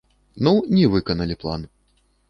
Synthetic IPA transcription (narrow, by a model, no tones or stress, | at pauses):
nunʲivɨkɐnɐlʲiplˠa̰n